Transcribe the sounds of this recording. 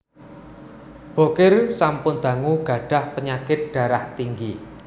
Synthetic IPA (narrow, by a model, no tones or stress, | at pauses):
b̥o̤kɪrsampʊnd̪̥ä̤ŋuɡ̥ä̤ɖ̥ä̤hpəɲakɪt̪̚ɖ̥a̤ɾaht̪iŋɡi